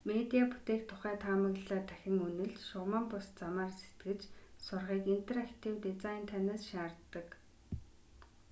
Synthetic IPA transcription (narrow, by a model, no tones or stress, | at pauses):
met̪iaput̪eːkt̪ʰʊχæːt̪ʰaːmə̆ɣɮæːt̪ʰæxʲɪ̆ŋɵnɘ̆ɮʃʊʁmampʊst͡samaːrse̥t̪ɡɘ̆t͡ɕsʊrʁiːkin̥t̪ʰerakt̪ʰiwt̪it͡sajnt̪ʰanaːsʃaːrt̪ːə̆k